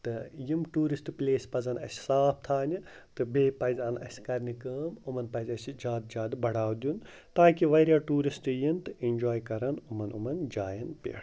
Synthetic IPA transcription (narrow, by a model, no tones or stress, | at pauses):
t̪ɨjimʈuːɾisʈplʲeːsʲpɐzɐnɐ̰sʲsaːp̚ʰt̪ʰaːni | t̪ɨbeːpɐzʲɐnɐ̰sʲkɐɾʲnikəːmumɐnpɐzʲɐsid͡ʒaːd̪̚d͡ʒaːd̪bɐɽaːwd̪ʲjun | t̪aːkiʋɐɾjaːʈuːɾisʈjint̪ɨinʲd͡ʒoːjkɐɾɐnumɐnṵmɐnd͡ʒaːjɐnpʲḛːɽ